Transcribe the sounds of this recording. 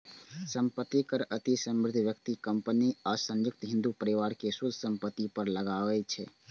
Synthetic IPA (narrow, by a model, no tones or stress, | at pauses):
səmpət̪ːikəɾət̪isəmɾɪd̪ʱʋjəkt̪ikəmpəniasə̃njʊk̚t̪ɦĩnd̪upəɾiʋaɾkesud̪ʱsəmpət̪ːipəɾləɡaʋɛt͡ʃʰɛ